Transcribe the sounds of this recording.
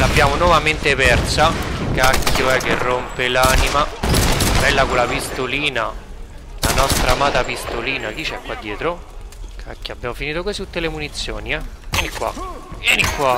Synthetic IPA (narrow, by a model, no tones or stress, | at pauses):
labːjaːmonwɔvament̪epɛrsakakʰːjoɛk̟ːerːompelaːnima | bɛlːakolapist̪oliːna | lanɔst̪ɾamaːt̪apist̪oliːnak̟it͡ʃːɛkːwad̪ːjɛːt̪ɾo | ka̰kːjoabːjaːmofiniːt̪okosit̪ut̪ːelemunit̪sːjoːniɛjɛnikːwa̰jɛnikːwa